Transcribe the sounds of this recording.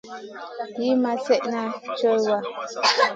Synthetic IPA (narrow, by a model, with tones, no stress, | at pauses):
ji˦ma˨sɛ˦ʔna˦t͡ʃɔ˦jwa˦